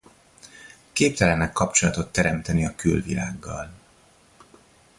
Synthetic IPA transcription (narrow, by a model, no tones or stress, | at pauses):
keːpt̪ɛlɛnːɛkːɒpt͡ʃo̞lɒt̪o̞t̪ːɛɾɛmt̪ɛniɒkylvḭlaːɡːɒ̰l